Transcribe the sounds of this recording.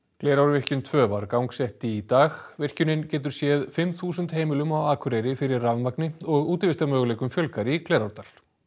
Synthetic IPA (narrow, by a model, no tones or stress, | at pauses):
klɛːjɾawɾvɪr̥cʏnt̪ʰvœːvaɾkawŋksɛht̪it̪aːɣvɪr̥cʏnɪncɛːt̪̬ʏɾ̥sjɛːðfɪmθuːsʏnt̪heːjmɪlʏmawaːkʰʏɾɛjɾɪfɪɾɪrːavmaknɪɔɣuːt̪ɪɾvɪst̪aɾmœːɣʏlɛːjkʏmfjœlkaɾiklɛːɾawɾ̥t̪al